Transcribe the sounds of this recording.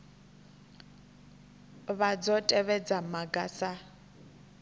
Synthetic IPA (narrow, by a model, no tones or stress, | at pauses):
βad͡zɔtʼɛβɛd͡zamaɡasa